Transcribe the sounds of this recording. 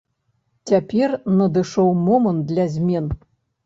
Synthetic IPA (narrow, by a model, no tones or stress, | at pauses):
t͡sʲapʲɛrnɐd̪ɨʂɔwmɔmənt̪̚d̪lʲɐzʲmʲɛn